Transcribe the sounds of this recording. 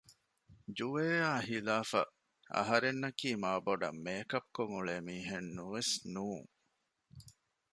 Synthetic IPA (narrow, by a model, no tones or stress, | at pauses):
d͡ʒuʋeːaːhilaːfɐ̰ | ɐ̰ɦɐɾenːɐkiːmaːboɖɐ̰mːeːkɐp̚koŋuɭeːmiːɦenːuʋesnuːŋ